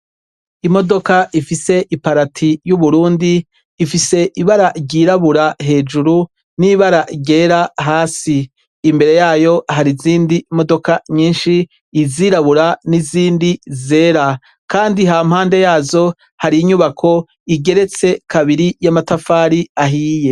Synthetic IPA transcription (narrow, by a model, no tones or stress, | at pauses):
imo̞do̞kaʔifise̞ʔipaɾatʰijuβuɾuːndiː | fise̞ʔiβaɾaɟiːɾaβuɾaɦe̞ːd͡ʒuɾu | niβaɾaɟe̞ːɾaɦaːsiː | mbe̞ɾe̞jaːjo̞ɦaɾiziːndimo̞do̞kaɲiːnʃiː | ziɾaβuɾaniziːndize̞ːɾa | kaːndiɦam̥haːnde̞jaːzo̞ | haɾiːɲuβakʰo̞ | iɡe̞ɾe̞t͡se̞kʰaβiɾijamatafaːɾiaɦiːje